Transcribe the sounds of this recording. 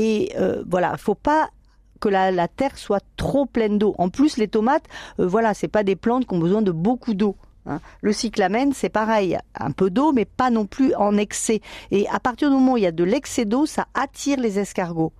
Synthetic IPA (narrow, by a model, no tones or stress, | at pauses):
eø̰vwala̰ifopa | kəlalat̪ɛʁswat̪χoplɛnd̪oʔɑ̰̃plyslet̪ɔmat̪øvwalasɛpad̪eplɑ̃t̪kʲiɔ̃bəzwɛ̃d̪əbokud̪o | ɛ̰̃ləsiklamɛnsɛpaʁɛjɛ̰̃pød̪omɛpanɔ̃plyɑ̃nɛksɛea̰paʁt̪iʁd̪ymɔmɑ̃uiljad̪əlɛksed̪osa̰ʔat̪ʰiʁlezɛskaʁɡo